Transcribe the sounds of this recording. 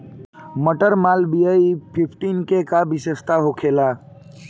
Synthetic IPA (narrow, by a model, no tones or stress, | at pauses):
məʈəɾmaːlbijaipʰipʰʈinkekabisest̪aɦokʰela